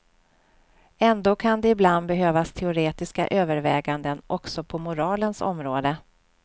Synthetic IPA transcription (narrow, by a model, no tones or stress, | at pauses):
ɛnd̪oːkʰand̪ɛɪbland̪̚bɛɦøːvast̪ʰɛʊɾeːt̪ɪska̰ʔøːvəɾvɛːɡand̪ənʔɔksɔpʰɔmʊɾɑːlənsɔ̰mɾoːd̪ə